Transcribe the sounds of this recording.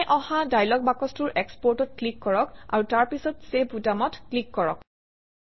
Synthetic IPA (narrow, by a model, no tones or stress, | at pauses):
jʔɔhadajlɔɡ̚bakɔstʊɹʔɛkspɔɹtɔt̚klikːɔɹɔka̰ɹutaɹpisɔtsebutamɔtklikːɔɹɔ̰k